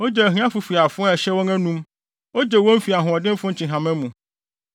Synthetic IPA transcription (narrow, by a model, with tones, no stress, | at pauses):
wo˦d͡ʒɛ˨ɦĩ˦ã˦fu˨fi˨a˨fʊ̃˦a˦˨e˨ʃɛ˦wo˦ŋɛ̃˦nũ˦m | wo˦d͡ʒe˨wo˦m̩˦fi˨a˨ɦũ˨ɔ˨dɪ̃˦m̩˦fʊ̃˦ɲ̩˦t͡ɕĩ˨ɦã˨mɛ̃˦mũ˨